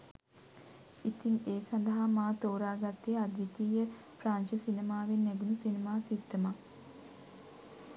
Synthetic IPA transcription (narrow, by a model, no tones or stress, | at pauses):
it̪iŋeːsand̪ɐɦamaːt̪oːɾaːɡat̪ːead̪ʋit̪iːjə | pɾaːnʃəsinemaːʋenːæɡunusinemaːsit̪ːəma